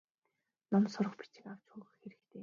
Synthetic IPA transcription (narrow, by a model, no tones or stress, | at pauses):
nɔmsʊɾə̆χpi̥t͡ɕɪ̆kaw̥t͡ɕxuːɣɘ̆xxeɾɘ̆kt̪ʰeː